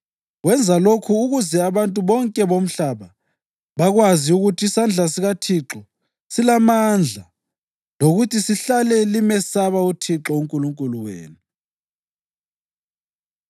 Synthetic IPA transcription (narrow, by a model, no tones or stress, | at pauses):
ɣwɛnd͡zʱalokʰuːɣuzɛaβantʼuβɔŋkʼɛβom̩ɬaβa | βaɣwaziuɣutʰiːsand͡ɮʱas̬iɣatʰiǁɔ | silamand͡ɮʱa | loɣutʰisiɬalɛlimɛsaβautʰiǁɔuŋkʼuluŋkʼuluwḛːnu